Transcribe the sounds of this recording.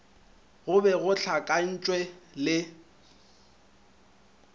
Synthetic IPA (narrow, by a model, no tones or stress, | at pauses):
ɣʊbɛɣʊt͡ɬʰakʼan̩t͡ʃʼwɛlɪ